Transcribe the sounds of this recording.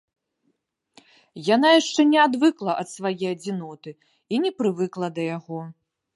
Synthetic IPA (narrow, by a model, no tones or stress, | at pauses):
jan̪ajaʂt͡ʂɛnʲɛad̪vɨklˠɐʔɐt̪svajɛjɐd͡zʲinɔt̪ɨ | inʲɛpɾɨvɨklˠɐd̪ɐjaɣɔ